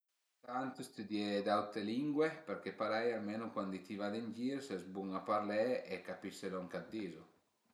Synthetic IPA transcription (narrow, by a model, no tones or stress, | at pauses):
t̪ant̪ust̪ud̪jɛd̪awt̪ɾeliŋɡwepeɾkepaɾɛjalmenʊkwand̪it̪ivad̪end͡ʒiɾsɛzbuŋapaɾlɛekapisːeloaŋkad̪ːizo